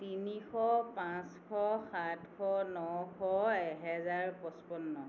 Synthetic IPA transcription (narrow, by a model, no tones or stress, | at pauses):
tinixɔpãskʰɔxatkʰɔnɔkʰɔɛɦɛzaɹpɔspɔnːɔ